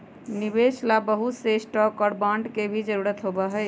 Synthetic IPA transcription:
nibeslabəɦut̪sesʈɔkɔɽbaɳɖkebʱid͡ʒəɾuɾət̪ɦobəɦəj

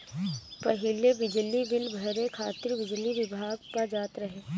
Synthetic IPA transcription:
pɐɦɪlebɪd͡ʒlibɪlbʱɐɾekʰaːt̪ɪɾbɪd͡ʒliʋɪbʱaːɡpad͡ʒaːt̪ɾɐɦeː

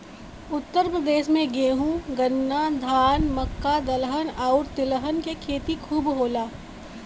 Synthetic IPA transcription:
ʊt̪ːəɾpɾəd̪eːʃmẽɡeːɦũɡənːad̪ʱaːnmɐkːad̪ɐlɦənaːʊɾt̪ɪləɦənkekʰeːt̪ikʰuːbɦoːlaː

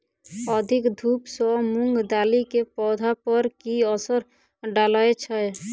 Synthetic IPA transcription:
əd̪ʱikd̪ʱupsɔmuŋɡd̪alikepɔd̪ʱapəɾkiəsəɾ | ɖaləet͡ʃʰɛ

